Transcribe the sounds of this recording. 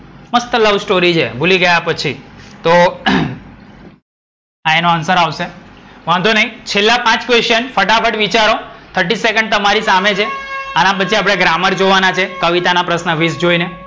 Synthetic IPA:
məst̪ələʋsʈoɾit͡ʃʰḛbʱuliɡəjapət͡ʃʰit̪o | aenoansəɾaʋseʋãnd̪ʱonəɦĩt͡ʃʰelːapãt͡ʃkʋesʈənfəʈapʰəʈʋit͡ʃaɾot̪ʰəɾʈisekəɳɖ̚t̪əmaɾisamet͡ʃʰeanãp̬ət͡ʃʰiap̬ɽ̃eɡɾaməɾd͡ʒoʋanat͡ʃʰekəʋit̪anapɾəsnəʋisd͡ʒoine

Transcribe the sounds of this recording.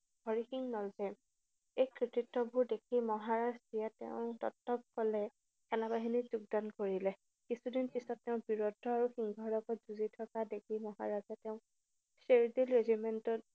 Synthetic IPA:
ɡɔɹixiŋnɔlzɛ | ejkɹititːɔbʊɹdekʰimɔɦaɹazdijatɛ̰ʊ̃tɔ̰tːɔb̚kɔlɛ | kɛnabaɦinizuɡ̚dankoɹilɛ | kisudinpisɔtːɛʊ̃biɹɔdʱɔaɹuxiŋɡʱɔlɔɡɔt̚zuzitʰɔkadek̚ʰimɔɦa̰ɹazɛtɛʊ̃ | seɹdilɹezimɛntɔt̚

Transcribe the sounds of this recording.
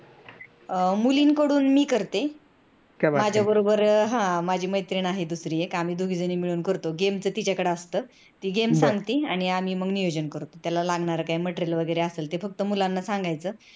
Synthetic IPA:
muliːnkəɽuːnmiːkəɾt̪e | kjabamad͡ʑʱabəɾobəɾɦãmad͡ʑʱiːməjt̪ɾiɳaɦed̪usɾiːjekam̤iːd̪ʱuɡʱid͡zəniːmiɭuːnkəɾt̪oɡemt͡səːt̪it͡ɕakəɽeəst̪əː | t̪iːɡemsãŋɡt̪iːaɽ̃iam̤iːməɡnijod͡ʑənkəɾt̪ot̪jalalaɡɳaɾakaiməʈɾelʋəɡəjɾeaseːlt̪efək̚t̪əmulanːasaŋɡajt͡səː

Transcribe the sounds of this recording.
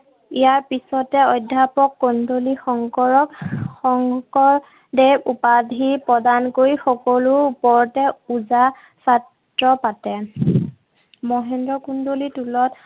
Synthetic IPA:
ijaɹpisɔtɛɔjdʱːapɔkːɔndolixɔŋkɔɹɔkxɔŋkɔɹ | dɛupadʱipɹɔdankojxɔkɔlʊupɔɹtɛuza | sat | ɹɔpatɛ | mɔɦɛndɹɔkundolitulɔt

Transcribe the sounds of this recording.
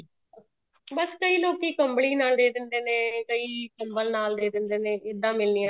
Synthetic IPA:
bəskəiːloːkiːkəmbɽiːnaːld̪eːd̪ɪnd̪eːnẽːkəiːkəmbəlnaːld̪eːd̪ɪnd̪eːnẽːʔɪd̪ãːmɪlniːãː

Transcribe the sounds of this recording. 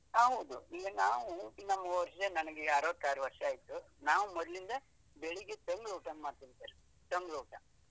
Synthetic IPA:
aːɦɐd̪uiːɡɐnaːʋunɐmːɐʋɐɾʂɐd̪enɐnɐɡeaːɾoʋt̪ːaːɾɐʋɐɾʂɐaːjt̪u | naːʋumɔd̪lind̪ɐ | beɭiɡet̪eŋɡɾoːʈɐnmaːt̪iɭt̪eːɾe | t̪ɐŋɡɾoːʈɐ

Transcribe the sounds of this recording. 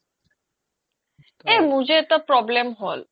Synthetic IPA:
emud͡ʑet̪apɾɔblemɦɔl

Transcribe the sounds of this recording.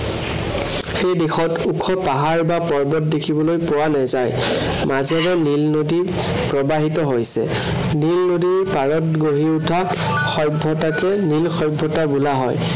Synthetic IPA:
xejdexɔtukʰɔpaɦaɹbapɔɹbɔt̚dekʰibɔlojpʊwanɛzaj | mazɛɹɛnilnodi | pɹɔbaɦitɔɦojsɛ̰ | nilnodipaɹɔtɡoɦiutʰa | xɔjbʱɔtakɛnilxɔjbʱːɔtabulaɦɔ̰j

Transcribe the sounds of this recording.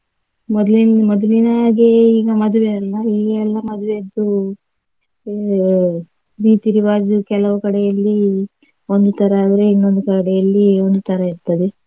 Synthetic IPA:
mɔd̪linmɔd̪ulinaːɡeiːɡɐmɐd̪uʋeɐlːɐiːɡɐɛlːɐmɐd̪uʋed̪ːu | ɾiːt̪iɾiʋaːd͡ʒukɛlɐʋukɐɽɛjɐlːi | ond̪ut̪ʰɐɾɐːʋɾeinːond̪ukɐɽɛjɐlːio̞nd̪ut̪ʰɐɾɐiɾt̪ɐd̪e

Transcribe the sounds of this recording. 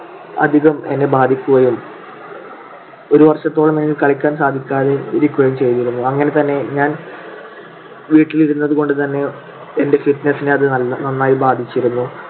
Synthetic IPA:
ɐ̰d̪ʱiɣɐme̞nːe̞baːd̪ʱikʲːuɣɐjum | o̞ɾuʋɐrʂɐt̪ːo̞ːɭɐmeɡilkɐɭikʲːaːnsaːd̪ʱikʲːaːðeiɾikʲːuɣɐjumt͡ɕe̞jt̪iɾunːuɐŋːɐne̞t̪ɐnːe̞ɲaːn | ʋiːʈːiliɾunːɐðuko̞ɳɖɨt̪ɐnːe̞ | ende̞fiʈnɐsːineɐðɨnɐnːaːjibaːd̪ʱit͡ɕːiɾunːu

